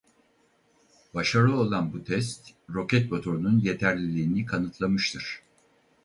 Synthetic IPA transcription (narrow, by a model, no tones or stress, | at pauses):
baʃaɾɯo̞lˠanbut̪ʰɛs̬t̪ɾo̞cɛt̪̚mo̞t̪ʰo̞ɾununje̞t̪ʰæɾlʲilʲiːnikʰanɯt̪ʰlˠamɯʃt̪ʰɯɾ̥